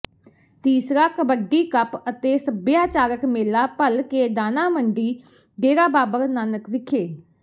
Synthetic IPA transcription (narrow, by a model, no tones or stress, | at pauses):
t̪iːsɾaːkəbəɖːiːkəpət̪eːsəbjaːt͡ʃaːɾəkmeːlaːpəlkeːd̪aːnaːməɳɖiː | ɖeːɾaːbaːbəɾnaːnəkʋɪkʰeː